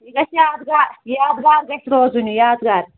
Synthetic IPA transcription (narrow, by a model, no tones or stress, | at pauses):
iɡɐsjaːd̪ɡaːɾjaːd̪ɡaːɾɡɐt̪ʲɾoːzunʲujaːd̪ɡaːɾ